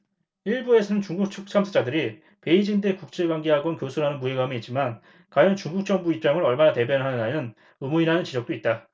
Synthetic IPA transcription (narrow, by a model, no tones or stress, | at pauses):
iɭbue̞sʰʌnɯnt͡ɕuŋɡuk̚t͡ɕʰok̚t͡ɕʰamsʰɯd͡ʑadɯɾi | pe̞id͡ʑindekuk̚t͡ɕ͈e̞ɡwaŋɡe̞ɦaɡwʌnkjosʰuɾanɯnpueɡamiːt̚t͡ɕ͈iman | kwajʌnt͡ɕuŋɡuk̚t͡ɕ͈ʌŋbuip̚t͡ɕ͈aŋɯɾʌɭmanate̞bjʌnɦanɯnajɯn | ɯmuiɾanɯnt͡ɕid͡ʑʌk̚t͈oit̚t͈a